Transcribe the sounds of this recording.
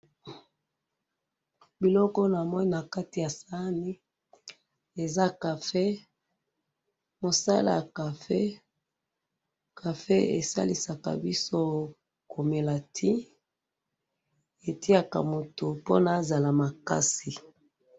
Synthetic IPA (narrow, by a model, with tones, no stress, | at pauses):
bi˨lɔ˦kɔ˦na˨mɔ˦ni˦na˨ka˦ti˨ja˨sa˦ni˦ | e˨za˦ka˨fe˦ | mo˨sa̰˦la̰˨ja˨ka˨fe˦ | kʰa˨fe˦ḛ˨sa̰˦li˨sa˨ka̰˨bi˦so˦ | kʰo˨me˨la˨tʰi˦ | e˨ti˦a˦ka̰˨mo˨to˨po̰˦na˨˦za˨la˨ma˨ka̰˦si˨